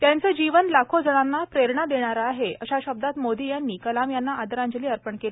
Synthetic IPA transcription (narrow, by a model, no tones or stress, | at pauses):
t̪jant͡səd͡ʑiʋənlakʰod͡zəɽ̃anːapɾeɾɳad̪eɽ̃aɾaːɦeʔəɕaɕəb̚d̪at̪mod̪ijanːiːkəlamjanːaad̪əɾãɲd͡ʑəliːəɾpəɳkele